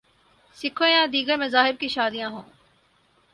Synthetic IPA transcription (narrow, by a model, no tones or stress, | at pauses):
sɪkʰojãːd̪iːɡəɾmẽzaːɦɪb̚kiʃaːd̪ijãːɦõː